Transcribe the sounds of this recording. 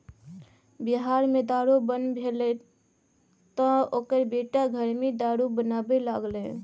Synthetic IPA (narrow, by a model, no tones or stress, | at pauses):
biɦaɾmed̪aɾubənbʱelɛ | t̪ɔ̃okəɾbeʈaɡʱəɾmid̪aɽubənabelaɡlẽ